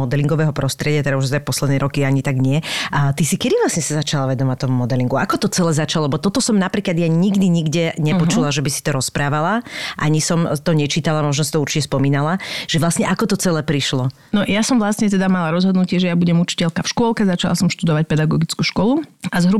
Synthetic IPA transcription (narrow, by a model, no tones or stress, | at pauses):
ɔd̪ɛliŋɡɔʋɛːɦɔpɾɔst̪ɾɪɛɟɪat̪ɛɾauʒzapɔslɛd̪nɛːɾɔkiaɲit̪aɡɲɪɛt̪isikɛd̪iʋlasɲɛsazat͡ʃalaʋɛd̪ɔmat̪ɔmumɔd̪ɛliŋɡuakɔt̪ɔt͡sɛlɛːzat͡ʃalˠɔɛbɔt̪ɔt̪ɔsɔmnapɾiːklad̪jaɲiɡd̪iɲiɡɟɛɲɛpɔt͡ʃulaʒɛbisi̥t̪ɔɾɔspɾaːʋalaʔaɲisɔmt̪ɔɲɛt͡ʃiːt̪alamɔʒnɔs̬i̥t̪ɔuɾt͡ʃicɛspɔmiːnalaʒ̥ɛʋlasɲɛʔakɔt̪ɔt͡sɛlɛːpɾiʃlɔ | nɔjasɔmvlasɲɛt̪ɛd̪amalaɾɔzɦɔd̪nucɪɛʒɛjabuɟɛmut͡ʃi̥cɛlkafʃkʊɔlˠkɛzat͡ʃala̰sɔmʃt̪ud̪ɔʋac̚pɛd̪aɡɔɡit͡skuʃkwɔluazɦɾu